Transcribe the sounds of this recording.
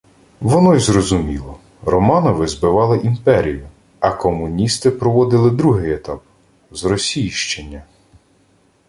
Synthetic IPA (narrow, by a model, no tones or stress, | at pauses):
ʋɔnɔjzrɔzʊmʲilˠɔ | rɔmɑnɔʋɪzbɪʋɑlˠɪʔimpɛɾʲijʊ | ɐkɔmʊnʲist̪ɪpɾɔʋɔd̪ɪlˠɪd̪ɾuɦɪjet̪ɑp̚ | zɾɔsʲijʃt͡ʃenʲːɐ